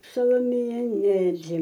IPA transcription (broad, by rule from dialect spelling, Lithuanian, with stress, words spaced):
sɐlˠoːˈmʲeːjæː ˈnʲæːrʲɪ